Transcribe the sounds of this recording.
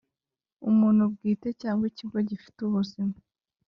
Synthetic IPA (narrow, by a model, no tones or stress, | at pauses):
ṵmuːn̥hub̚ɡiːte̞caːŋɡwiciɡoɟifi̥tuβuzimu